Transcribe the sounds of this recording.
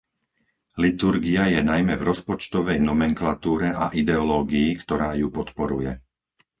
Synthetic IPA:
lit̪uɾɡiajɛnajmɛvɾɔspɔt͡ʃt̪ɔʋɛjnɔmɛŋklat̪uːɾɛʔa̰ʔid̪ɛɔlɔːɡiːkt̪ɔɾaːjupɔt̪pɔɾujɛ

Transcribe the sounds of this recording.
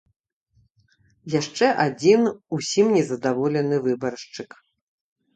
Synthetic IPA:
jaʂt͡ʂɛʔad͡zʲinusʲimnʲɛzɐd̪avɔlʲɛnɨvɨbɐɾʂt͡ʂɨk

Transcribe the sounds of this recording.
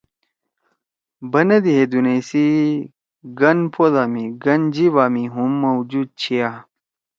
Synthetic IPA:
bɐnɐd̪iɦed̪unesi | ɡɐnpʰoðaːmiɡɐnd͡ʑiʋaːmiɦumːɐwd͡ʑud̪̚t͡ɕʰia

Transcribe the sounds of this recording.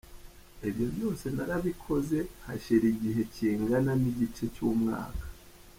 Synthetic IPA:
iβjo̞bjo̞ːse̞naɾaβikʰo̞ze̞ha̰ʃiɾiɟiɦe̞ciːŋɡananiɟit͡ʃe̞cuːmŋa̰ːkḁ

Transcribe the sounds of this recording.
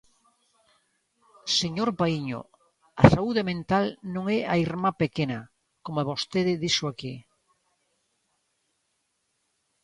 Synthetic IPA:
seɲoɾpaiɲo̰ | asauðemẽnt̪alnõŋɛaiɾmapekenɐ | komoaβost̪eðɪðiʃʊaki

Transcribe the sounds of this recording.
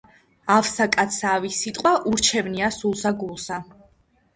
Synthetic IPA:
afsakʼat̪savisit̪ʼqʼwaʔuɾt͡ʃʰɛvniasulˠsaɡulˠsa

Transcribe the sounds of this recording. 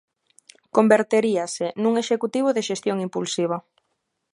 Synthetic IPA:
kombeɾt̪eɾiɐsɪnuŋeʃekut̪iβ̞oðeʃest̪joŋimpulsiβ̞ɐ

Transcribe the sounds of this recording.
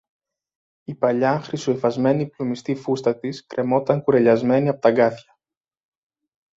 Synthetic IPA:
ipɐʎɐxɾisoefɐzme̞niplumist̪ifust̪ɐt̪iskɾʔe̞mo̞t̪ɐŋkuɾeʎɐzme̞niɐpo̞t̪ɐɡɐθçɐ̥

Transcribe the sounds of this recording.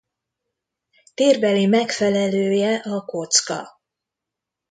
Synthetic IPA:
t̪eːrbɛlimɛkfɛlɛløːjɛʔɒko̞t̪skɒ̰

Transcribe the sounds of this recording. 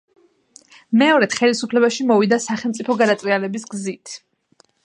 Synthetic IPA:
mɛɔɾɛd̪̥χɛlisupʰlɛbaʃimɔvid̪asaχɛlˠmt̪sʼipʰɔɡad̪at̪sʼvialɛbisɡzit̪ʰ

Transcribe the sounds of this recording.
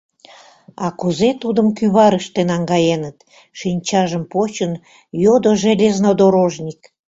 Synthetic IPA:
ɑkuzet̪ud̪əmkyβɑɾəʃt̪enɑŋɡɑjenət̪ | ʃinʲt͡ɕɑʒəmpot͡ɕən | jod̪oʒelʲeznod̪oɾoʒnʲik

